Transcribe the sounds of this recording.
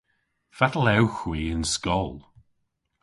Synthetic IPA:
fatəlɛwxwiːənskɔlˠ

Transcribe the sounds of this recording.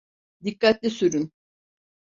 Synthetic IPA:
d̪ikːat̪lʲisyɾyn

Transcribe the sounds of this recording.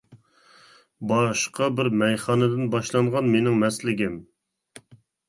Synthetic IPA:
bɑʃqɑbɪɾmɛjχɑːnɨd̪ɪnbɑʃlˠɑɴʁɑnmenɪŋmɛslɪɡʲɪm

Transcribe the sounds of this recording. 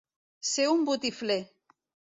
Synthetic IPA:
seumbut̪ifle

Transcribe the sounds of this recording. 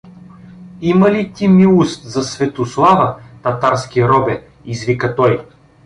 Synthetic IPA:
imɐlit̪ʲimiust̪zɐsvɛt̪oslˠavət̪ɐt̪aɾskʲiɾɔbɛ | izvikət̪ɔj

